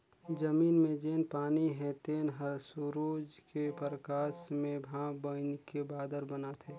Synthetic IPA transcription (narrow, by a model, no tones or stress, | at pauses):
d͡ʒəmiːnmẽd͡ʒeːnpaːniɦɛ̃t̪eːnɦəɾsuɾuːd͡ʒkepəɾəkaːsmẽbʱãːbənkebaːd̪əɾbənat̪ʰeː